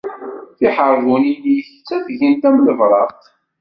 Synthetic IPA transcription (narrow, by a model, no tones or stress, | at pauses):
θɪħəɾˤðˤuninjəçt͡sːæθʝənt̪æmləvɾˤɑʁt̪